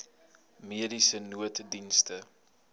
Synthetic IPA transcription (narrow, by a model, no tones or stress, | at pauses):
miədisənuətdinstə